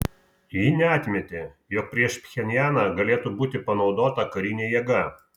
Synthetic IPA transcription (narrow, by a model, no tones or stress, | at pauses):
jɪnʲɛɑːt̪ʲmʲɛt̪ʲeːjɔːk̚pʲɾʲiɛʃpʲxʲɛnʲjæːnɑɡɐlʲeːt̪ubuːt̪ʲɪpɐnɒʊd̪oːt̪ɐkɐɾʲɪnʲeːjɛɡɐ